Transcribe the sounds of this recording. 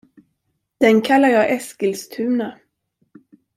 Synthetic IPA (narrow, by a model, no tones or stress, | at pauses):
d̪̥ɛnkʰalːaɾjɑːʔɛskəlst̪ʰʉ̟ːna